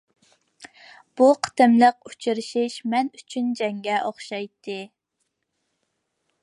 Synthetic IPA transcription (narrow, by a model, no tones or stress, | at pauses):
b̥uqʰə̥t̪ɨmləq̚u̥t͡ʃʰiɾɪʃiʃmɛnyt͡ʃʰynd͡ʒɛŋɡʲɛʔoχʃɑjt̪ʰːɨ